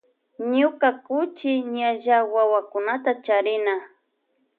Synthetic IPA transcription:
ɲʊkakʊt͡ʃɪɲaʒawawakʊnat̪at͡ʃaɾɪna

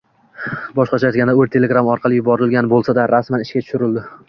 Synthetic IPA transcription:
bɒʃqɑt͡ʃʰajɒt̪ɡʲand̪aɵɾt̪ʰe̞lʲeɡɾamɒɾqʰɑlɪjʊbɒɾɪlɡʲanbolˠsad̪aɾasmanɪʃkʲat̪ʰʊ̥ʃʊɾɪld̪ɪ

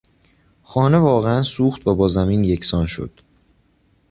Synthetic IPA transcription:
xɒːne̞vɒːɣeænsuːxt̪væbɒːzæmiːnje̞cʰsɒːnʃo̞̰d̪̥

